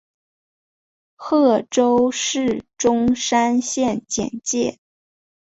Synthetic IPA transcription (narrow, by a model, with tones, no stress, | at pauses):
xɤ˥˩ʈ͡ʂo˥ʊʂɻ̩˥˩ʈ͡ʂʊ˥ŋʂa˥nɕjɛ˥˩nt͡ɕjɛ̰˨˩nt͡ɕjɛ˥˩